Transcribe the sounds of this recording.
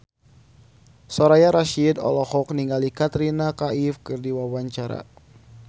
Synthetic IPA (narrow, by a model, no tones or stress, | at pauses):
sɔɾajaɾaʃid̪ɔ̰lɔhɔkniŋɡalikat̪ɾinakaʔifkɨrdiwawaɲt͡ʃaɾa̰